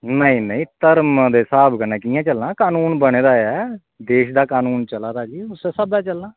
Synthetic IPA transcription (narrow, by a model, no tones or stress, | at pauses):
nəĩːnəĩːt̪əɾmd̪eːsaːbkənẽːkiːãːt͡ʃəlnãːkaːnuːnbəɽ̃eːd̪aːɛː | d̪eːʃd̪aːkaːnuːnt͡ʃəlaːd̪aːd͡ʒiːʊseːsəbɛːt͡ʃəlnaː